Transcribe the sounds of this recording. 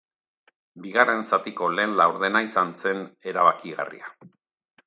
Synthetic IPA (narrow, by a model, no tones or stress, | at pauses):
biɣare̞nsat̪iko̞le̞ːnlawɾðe̞naisant͡se̞ne̞ɾaβakiɣa̰rḭa